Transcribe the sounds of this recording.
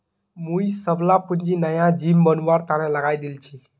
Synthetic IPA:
muisəblapuɲd͡ʒinəjãd͡ʒimbənʋaɾt̪aɾẽləɡajd̪ilt͡ʃʰi

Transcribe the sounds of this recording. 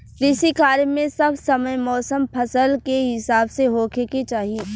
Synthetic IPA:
ɾiːsikaːɾmẽsɐbsɐməjmɔːsəmpʰɐsəlkeɦɪsaːbseɦoːkeket͡ʃaːɦieː

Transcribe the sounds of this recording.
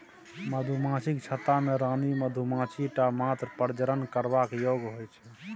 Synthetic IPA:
məd̪ʱumãsikt͡ʃʰət̪ameɾaniməd̪ʱumãt͡ʃiʈamat̪ɾəpəɾd͡ʒəɾənkəɾbakjoɡɦojt͡ʃʰɛ

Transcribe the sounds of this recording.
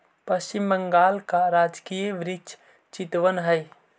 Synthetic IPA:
pəst͡ʃimːəŋɡaːlkaɾad͡ʒkijʋɾɪt͡ʃ | t͡ʃit̪ʋənɦəj

